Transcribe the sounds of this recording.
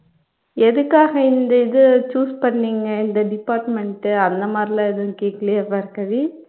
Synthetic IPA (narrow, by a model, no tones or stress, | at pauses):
ɛðɯkːaːɣɐɪnd̪ɐɪðɯt͡ʃuːspɐɳːiːŋɡɐɪnd̪ɐɖɪpːaːɾʈmɛɳʈɯɐnd̪ɐmaːd̪ɾɪlãːɛðɯ̃keːkːɐlɪjɐʋɐɪɾɯkːɐʋi